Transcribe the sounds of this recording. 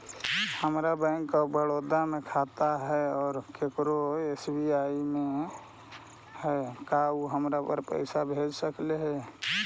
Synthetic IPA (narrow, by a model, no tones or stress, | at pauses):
həmɾabɛ̃ɪŋkːabəɽoːd̪amẽkʰat̪aɦɛɔːɾkekɾoesbiajimẽ | hɛkauɦəmɾapə̰ɾpə̰ɪsabʱed͡ʒsəkleɦɛː